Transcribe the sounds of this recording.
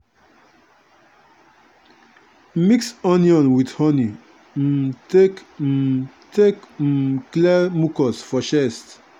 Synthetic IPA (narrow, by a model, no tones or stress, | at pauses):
miksɔ̃niɔ̃nwidhɔni | tek̩ | tekklɛmukɔsfɔʃɛst